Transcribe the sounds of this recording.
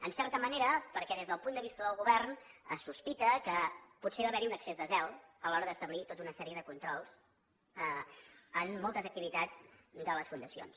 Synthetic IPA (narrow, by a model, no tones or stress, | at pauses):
ənsɛrt̪əməneɾəpəɾkɛðezðəlˠpund̪əβist̪əðəlˠɣuβɛrnəsːuspit̪əkəpuseβaβɛɾiunəksezðəzɛlˠəlɔɾəðəst̪əβlit̪ot̪unəsɛɾiəðəkunt̪ɾɔlˠz̥ | əmːɔlˠt̪əzək̚t̪iβit̪ad͡zd̪ələsfund̪əsio̰ns